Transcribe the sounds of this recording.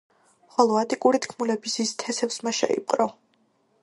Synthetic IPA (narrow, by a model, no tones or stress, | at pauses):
χɔlˠɔat̪ʼikʼuɾit̪ʰkʰmulɛbisist̪ʰɛsɛpsmaʃa̰ḭpʼqʼɾɔ